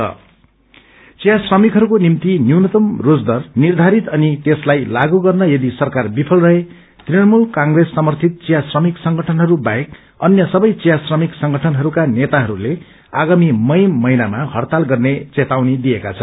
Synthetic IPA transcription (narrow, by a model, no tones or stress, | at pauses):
ʌ̰ | t͡sijasrʌmikɦʌɾukonimt̪injuwnʌt̪ʌmrod͡zd̪ʌrnird̪ʱaɾit̪ʌnit̪eslajlaɡuɡʌrnʌjʌd̪isʌrkarbipʰʌlrʌɦe | t̪rinʌrmulkãŋɡresːʌmʌrt̪ʰit̪̚t͡sijasrʌmiksʌŋɡʌʈʰʌnɦʌɾubaek | ʌnjʌsʌbʌjt͡sijasrʌmiksʌŋɡʌʈʰʌnɦʌɾukanet̪aɦʌɾule | aɡamimʌjmʌinamaɦʌrt̪alɡʌrnet͡set̪awnid̪ijeka̰t͡sʰʌn